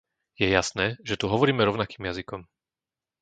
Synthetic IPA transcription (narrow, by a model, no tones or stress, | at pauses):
jɛjasnɛːʒɛt̪uɦɔʋɔɾiːmɛɾɔʊnakiːmjazikɔm